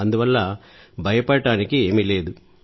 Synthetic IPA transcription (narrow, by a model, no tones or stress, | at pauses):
ɐnd̪uʋɐlːa | bʱɐjɐpɐɽɐʈaːnikie̞ːmile̞ːd̪u